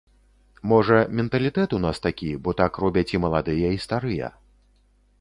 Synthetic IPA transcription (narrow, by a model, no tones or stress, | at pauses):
mɔʐɐmʲɛnt̪ɐlʲit̪ɛt̪unast̪akʲibɔt̪akrɔbʲɐt͡sʲimɐlˠad̪ɨjɐist̪aɾɨjɐ̰